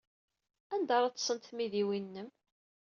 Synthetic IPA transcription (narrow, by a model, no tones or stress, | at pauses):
ænd̪ɑɾˤɑt͡s̪ːsˤənt̪miðiwinːəm